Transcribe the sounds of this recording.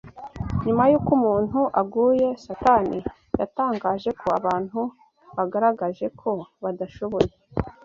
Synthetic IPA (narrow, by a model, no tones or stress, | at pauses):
ɲumajuːkumuːn̥uʔaɡuːje̞satani | jataːŋɡaːʒe̞kʰo̞aβaːn̥hu | βaɡaɾaɡaʒe̞kʰo̞βadaʃo̞βo̞je